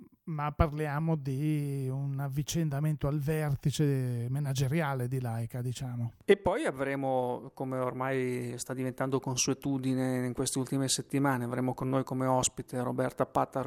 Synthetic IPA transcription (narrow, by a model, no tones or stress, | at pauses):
mapːarljaːmod̪iunavːit͡ʃend̪ament̪oalvɛrt̪it͡ʃemenad͡ʒeɾjaːled̪ilajkad̪it͡ʃaːmoepːɔjavɾeːmokomeormajst̪ad̪ːivent̪and̪okonsuet̪uːd̪ineiŋkwest̪eult̪imeset̪ːimaːneavɾeːmokonːoːjkomeɔspit̪eɾo̰bɛrt̪apat̪ːa